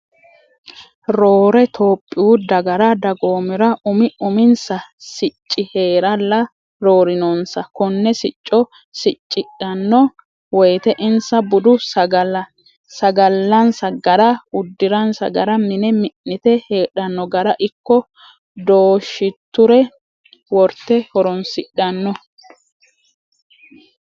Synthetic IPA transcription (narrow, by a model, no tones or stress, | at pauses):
ɾoːɾɛt̪ʰoːpʼːɪuːd̪ɐɡɐɾɐd̪ɐɡo̞ːmɪɾɐʔʊmɪʊmɪnsɐsɪt͡ʃʼːɪhe̞ːɾɐlːɐ | ɾoːɾɪnɔnsɐkɔnːɛsɪt͡ʃʼːɔ | sɪt͡ʃʼːɪᶑɐnːɔ | wɔjt̪ɛʔɪnsɐbʊd̪ʊɐɐ | sɐɡɐlːɐnsɐɡɐɾɐʊd̪ːɪɾɐnsɐ̰ɡɐɾɐmɪnɛmɪnːɪt̪ɛheːᶑɐnːɔɡɐɾɐʔɪkːɔ | d̪oːʃːɪt̪ːʊɾɛ | wɔɾt̪ːɛhɔɾɔnsɪɗɐnːɔ